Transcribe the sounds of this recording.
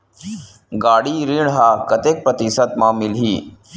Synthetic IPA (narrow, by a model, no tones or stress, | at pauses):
ɡaːɽiːɾiːɳɦakɐt̪ek̚pɾɐt̪isət̪mãːmilɦiː